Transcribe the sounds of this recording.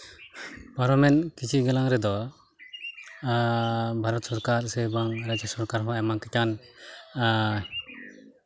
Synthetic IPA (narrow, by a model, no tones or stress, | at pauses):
paɾamɛnkit͡ʃʰiɡɛlaŋɾɛd̪ɔ | bʱaɾɔt̪sɔɾkaɾsɛbaŋɾad͡ʒasɔɾkaɾɦaɛmakɛcan